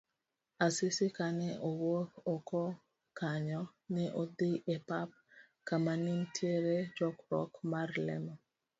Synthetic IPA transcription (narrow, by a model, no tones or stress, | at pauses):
asɪsɪkanɛʔowokokɔ | kaɲɔnɛʔod̪ɪʔepap̚ | kamanɪmtʰjeɾed͡ʒɔkɾɔ̰kmarlɛ̰mɔ